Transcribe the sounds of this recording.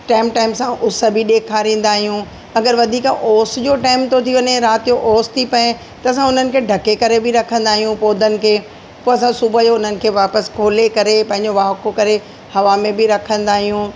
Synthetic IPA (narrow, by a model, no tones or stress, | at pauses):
ʈaːɪmʈaːɪmsãʔʊsbʱiɗeːkʰaːɾĩːnd̪aːɦijũ | ɐɡəɾʋɐd̪ʱiːkʔoːsd͡ʑoʈaːɪmt̪ʰot̪ʰiʋɐɲeɾaːt̪ijoʔoːst̪ʰipɐẽ | t̪ɐɐs̬ãʊn̤ənɪ̆kʰeːɖʱɐkekɐɾebʱɪɾɐkʰə̃nd̪aːɦijũpoːd̪ʱənɪ̆kʰeː | poːɐs̬ãsubʱəd͡ʑoʊn̤ənɪ̆kʰeːʋaːpəskʰoːlekɐɾepɐ̃ɦɪ̃ɲ̆d͡ʑoʋaːɦʊkokɐɾe | hɐʋamẽbʱɪɾɐkʰə̃nd̪aːɦijũ